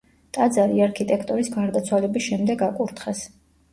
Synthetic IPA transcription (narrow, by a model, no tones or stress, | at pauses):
t̪ʼad̪zaɾiaɾkʰit̪ʼɛkʰt̪ʼɔɾisɡaɾd̪at̪sʰwalɛbisʃɛmd̪ɛɡakʼuɾt̪ʰχɛs